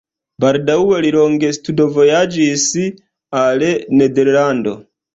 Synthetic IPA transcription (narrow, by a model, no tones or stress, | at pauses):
baɾdauweliɾoŋɡestudovo̞jad͡ʒisi | alenedeɾlando̞̰